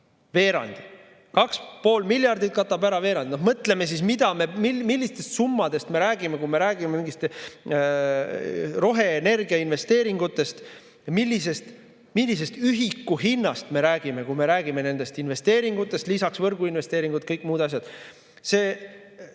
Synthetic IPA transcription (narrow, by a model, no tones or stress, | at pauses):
ve̞ːɾɑ̰nʲd̪̥i | kɑkspo̞ːlmilʲjɑrd̪it̪̚kɑt̪ːˑɑbæɾɑve̞ːɾɑnd̪inohmɤt̪le̞me̞s̬ismid̪̥ɑme̞mimilʲːist̪e̞st̪sumːɑd̪e̞st̪me̞ɾæːɡime̞kume̞ɾæːɡimemiŋɡ̥ist̪ | ro̞ɦe̞ːne̞rɡiɑinve̞st̪e̞ːɾiŋɡ̥ut̪ːˑe̞st̪ | milʲːise̞st̪ | milːis̬e̞st̪yɦikːuɦinːɑst̪me̞ɾæːɡ̥ime̞kume̞ɾæːɡ̥ime̞ne̞nd̪e̞st̪inve̞st̪eːɾiŋɡut̪ːˑe̞st̪lisɑksvɤrɡ̥uinve̞st̪e̞ːɾiŋɡ̥ut̪̚kɤjkːˑmuːd̪ɑs̬ʲjɑd̪̥ | se̞ː